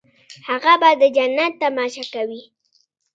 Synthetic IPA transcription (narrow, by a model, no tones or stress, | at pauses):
haɣabad̪əd͡ʒanːat̪ːamɑʃakawi